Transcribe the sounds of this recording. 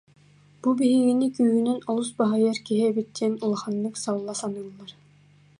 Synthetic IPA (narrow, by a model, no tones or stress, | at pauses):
b̥ubiɦiɣinikyːɦynɛnɔlˠusbaɦajaɾkiɦiɛbit̪ːinulˠaχanːɯksalˠːasanɯlˠːaɾ